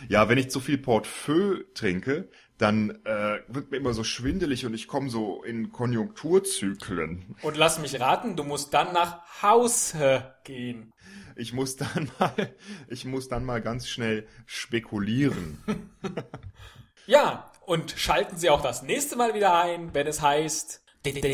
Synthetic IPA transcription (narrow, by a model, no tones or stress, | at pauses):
jaːvɛnɪçt͡sufiːlpʰɔɐtføːtʁ̥ɪŋkə | d̥anʔɛːvɪɐt̚miːɐʔɪmɐzoːʃv̥ɪndəlɪçʊntɪçkʰɔməzoːʔɪ̰nkʰɔnjʊŋk̚tʰuːɐt͡syːkʰlə̰nʔʊntlasmɪçʁaːtn̩duːmʊst̚d̥anːaːχhaʊsəɡ̥eːən | ʔɪçmʊsd̥anmaːlʔɪçmʊsd̥anmaːlɡant͡sʃnɛlʃpekʰuliːʁən | jaːʔʊntʃaltn̩ziːaʊxd̥asnɛːçstəmaːlviːdɐaɪnvɛnɛshaɪst | d̥